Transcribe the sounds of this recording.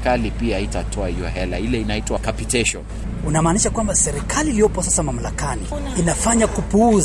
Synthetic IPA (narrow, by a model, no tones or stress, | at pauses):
kalipiaitatʰɔahijɔ̰ɦɛla̰ilɛinaitwakapitɛʃɔn | unamaːniʃakwambasɛɾikʰaliːlijɔpɔsasamam̩lakani | inafaɲakupuuz